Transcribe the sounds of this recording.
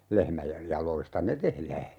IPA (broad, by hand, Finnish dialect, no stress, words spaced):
lehmæjej jɑloistɑ ne tehlæː